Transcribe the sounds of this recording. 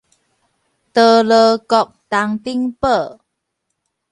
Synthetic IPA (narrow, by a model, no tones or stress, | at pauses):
t̪ələkɔk̚t̪aŋt̪iŋpə